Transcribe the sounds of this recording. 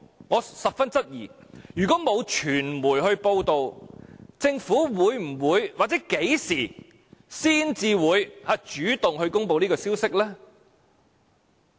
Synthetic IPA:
ŋɔː˨˧sɐ˨p̚fɐ˥nt͡sɐ˥t̚jiː˨˩jyː˨˩kɔː˨˥mo˨˧wt͡ʃʰyː˨˩nmuː˨˩jɦɵ˧ɥpo˧wt̪o˨w | t͡sɪ˧ŋfuː˨˥wuː˨˧jm̩˨˩wuː˨˧jwaː˨t͡sɛ˨˥ke˨˥jsiː˨˩ | siː˥nt͡siː˧wuː˨˧jhaː˨˧t͡ʃyː˨˥t̪ʊ˨ŋhɵ˧ɥkʊ˥ŋpo˧wniː˥kɔː˧siː˥wsɪ˥k̚lɛː˥

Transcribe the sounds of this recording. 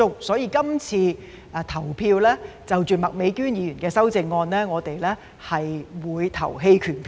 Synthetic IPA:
ʊ˨˧k̚sɔː˨˥jiː˧kɐ˥mt͡sʰiː˧˨˧ | t̪ʰɐ˨˩wpʰiː˧wlɛː˥ | t͡sɐ˨wt͡ʃyː˨˩mɐ˨k̚me˨˧˥jkyː˥njiː˨˧jyː˨˩nkɛː˧sɐ˥wt͡sɪ˧ŋːɔː˧nlɛː˥ŋɔː˨˧t̪e˨jlɛː˥ | hɐ˨jwuː˨˧jt̪ʰɐ̰˨˩wɦe˧jkʰyː˨˩npʰ

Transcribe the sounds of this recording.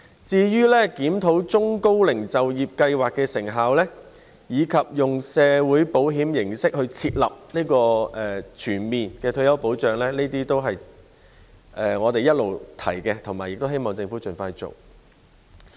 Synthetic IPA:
t͡siː˧jyː˥lɛː˥kiː˨˥mt̪ʰo˨˥wt͡sʊ˥ŋko˥wlɪ˨˩ŋt͡sɐ˨wjiː˨p̚kɐ˧jwaː˨˩kːɛː˧sɪ˨˩ŋɦaː˨wlɛː˥ | jiː˨˧kʰɐ˨p̚jʊ˨ŋsɛː˨˧wuː˨˥jpo˨˥wɦiː˨˥mjɪ˨˩ŋsɪ˥k̚hɵ˧ɥt͡sʰiː˧t̚lɐ̰˨p̚niː˥kɔː˧ɛː˨˩t͡ʃʰyː˨˩nmiː˨nkɛː˧t̪ʰɵ˧jɐ˥wpo˨˥wt͡ʃœː˨ŋlɛː˥niː˥t̪iː˥t̪o˥wɦɐ˨j | ʔɛː˨ŋɔː˨˧t̪e˨jɐ˥t̚lo˨wt̪ʰɐ̰˨˩jkɛː˧t̪ʰʊ˨˩ŋmaː˨˩jɪ˨k̚t̪o˥wɦe˥jmɔː˨˩ŋt͡sɪ˧ŋfuː˨˥t͡ʃɵ˨nfaː˧jt͡so̰˨˩w

